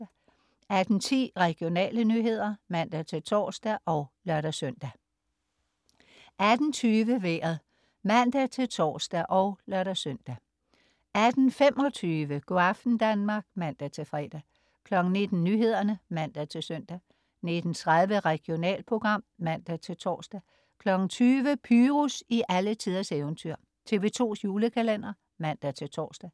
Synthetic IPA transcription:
æd̥n̩t͡sʰḭːʁɛɡ̥jo̝nɛ̰ːlənyɦe̝ð̰ˠɐmæn̰d̥æt͡sʰe̝lt͡sʰɒ̰ːsd̥æʔɒ̽ʊlɶɐɾ̥æsøn̰d̥æ | æd̥n̩t͡sʰyːʋəʋḛːɐð̩ˠ | mæn̰d̥æt͡sʰe̝lt͡sʰɒ̰ːsd̥æʔɒʊlɶɐɾ̥æsøn̰d̥æ | æd̥n̩fem̰ʔɒ̽t͡sʰyːʋəɡ̥o̝ɑfd̥n̩d̥ænmɑ̈ɡ̥̚mæn̰d̥æt͡sʰe̝fʁɛ̰d̥æ | kʰlɒ̽ɡ̥n̩ne̝d̥n̩ːyɦe̝ð̞̰ˠɐnəmæn̰d̥æt͡sʰe̝lsœn̰d̥æ | ne̝d̥n̩t͡sʰʁaðˠʋəʁɛɡ̥jo̝nɛ̰ːlpʰʁo̝ɡ̥ʁɑ̈m̰mæn̰d̥æt͡sʰe̝lt͡sʰɒ̰ːsd̥æ | kʰlɒ̽ɡ̥n̩t͡sʰyːʋəpʰyːʁusiʔælət͡sʰiðˠɐseʊnt͡sʰyɐ̰ | t͡sʰe̝ːʋe̝t͡sʰo̝̰ːsjuːləkʰælen̰ɐ | mæn̰d̥æt͡sʰe̝lt͡sʰɒ̰ːsd̥æ

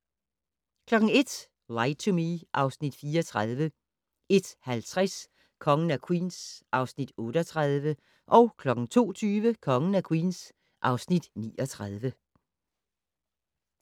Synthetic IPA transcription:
kʰlɒ̽ɡ̥ŋ̩e̝d̥ | lɑɪt͡sʰomiʔɑ̈ʊsnid̥fiːɒ̽t͡sʰʁað̞ˠʋə | e̝d̥hælt͡sʰʁas | kʰɒ̽ŋən̩ækʰwḭːnsʔɑ̈ʊsnid̥ɔ̽ːɾəɒt͡sʰʁað̞ˠʋə | ʔɒ̽ʊkʰlɒ̽ɡ̥ŋ̩t͡sʰo̝̰ːt͡sʰyːʋəkʰɒ̽ŋən̩ækʰwḭːns | ʔɑ̈ʊsnid̥nḭːɒ̽t͡sʰʁað̞ˠʋə

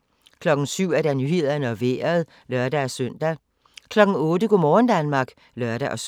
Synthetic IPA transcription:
kʰlɒ̽ɡ̥n̩syʊ̰æɐd̥ænyhe̝ð̰ˠɐnəɒ̽ʋḛːɐð̩ˠ | lɶɐd̥æːsøn̰d̥æ | kʰlɒ̽ɡ̥n̩ɔ̽ːdəɡ̥omɒːn̩d̥ænmɑ̈ːɡ̥ | lœɐ̰ɾ̥æʔɒs

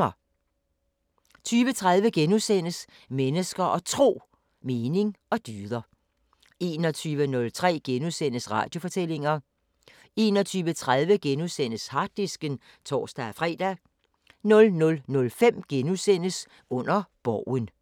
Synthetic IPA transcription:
ɐ | t͡sʰyːʋət͡sʰʁaðˠʋəɡ̥enusen̰əs | menəsɡ̥ɐʔɒ̽t͡sʰʁo̝̰ː | me̝ːne̝ŋɒ̽d̥yːðˠɐ | e̝ːnɒt͡sʰyːʋənɔ̽lt͡sʰʁɛ̰ːɡ̥enusen̰əsʁɑ̈ːd̥jo̝fɒ̽t͡sʰel̰e̝ŋɐ | e̝ːnɒ̽t͡sʰyːʋət͡sʰʁað̞ˠʋəɡ̥enusen̰əshɑ̈d̥isɡ̥ən | t͡sʰɒ̰ːsd̥æfʁɛ̰ːd̥æ | nɔ̽lnɔ̽lnɔ̽lfem̰ɡ̥enusen̰əs | ɔ̽n̰ɐb̥ɒʊ̰ən

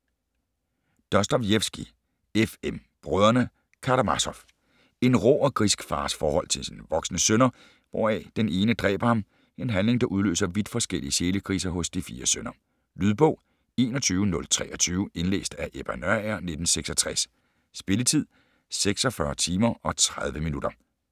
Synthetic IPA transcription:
d̥ɒsd̥ɒbjefsɡ̥i | efem | b̥ʁœðˠɐnə | kʰɑɾ̥ɑmɑ̈sɒ̽f | e̝nʁɔ̰ːɒ̽ɡ̥ʁisɡ̥fɑ̈ːsfɒːhɒ̽l̰t͡sʰe̝lsinʋɒ̽ɡ̥snəsønɐ | ʋɒ̰ːɛ̰d̥ene̝ːnəd̥ʁɛ̰ːb̥ɐhɑ̈m | e̝nɦænle̝ŋd̥ɑ̈ʔuð̞ˠlø̰ːsɐʋid̥fɒ̽sɡ̥el̰ḭəse̝ːləkʰʁḭːs̬ɐɦɔ̽sd̥ifiːɐsønɐ | lyð̞ˠb̥ɔ̽ʊ | e̝ːnɒ̽t͡sʰyːʊənɔ̽lt͡sʰʁɛ̰ːɒt͡sʰyːʊe̝nlḛːsd̥æʔeb̥ænøɐæɐne̝d̥n̩seɡ̥sɒ̽t͡sʰʁas | sb̥e̝lət͡sʰið̞̰ˠ | seɡ̥sɒ̽fɶɐt͡sʰiːmɐʔɒ̽t͡sʰʁað̞ˠʋəminud̥ɐ

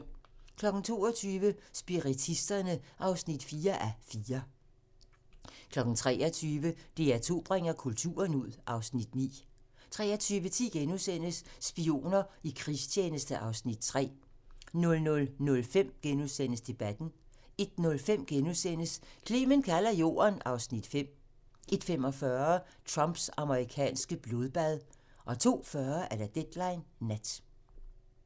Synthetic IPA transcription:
kʰlɒ̽ɡ̥n̩t͡sʰo̝̰ːɐt͡sʰyːʋəsb̥iʁit͡sʰisd̥ɐnəʔɑ̈ʊsnid̥fiːɐʔæfiːɐ | kʰlɒ̽ɡ̥n̩t͡sʰʁɛ̰ːɐt͡sʰyːʋəd̥e̝æt͡sʰo̝̰ːb̥ʁeŋ̰ɐkʰult͡sʰṵːɐnuð̞̰ˠʔɑ̈ʊsnid̥nḭː | t͡sʰʁɛ̰ːɐt͡sʰyːʋət͡sʰḭːɡ̥enuðˠsen̰əsːb̥io̝̰ːnɐikʰʁist͡ɕʰeːnəsd̥əʔɑ̈ʊsnid̥̚t͡sʰʁɛ̰ː | nɔ̽lnɔ̽lnɔ̽lfem̰ɡ̥enuðˠsen̰əsd̥e̝b̥æd̥n̩ | e̝d̥nɔ̽lfem̰ɡ̥enuðˠsen̰əskʰliːmənkʰælɐjo̝̰ːɐnɑ̈ʊsnid̥fem̰ | e̝d̥femɒ̽fɶɐɐ | t͡sʰʁɑ̈mb̥sɑ̈məʁikʰɛ̰ːnsɡ̥əb̥lo̝ð̞ˠb̥æðˠ | ʔɒ̽t͡sʰo̝̰ːfɶɐʔæɐɾ̥æd̥ed̥lɑ̈ɪnːæd̥

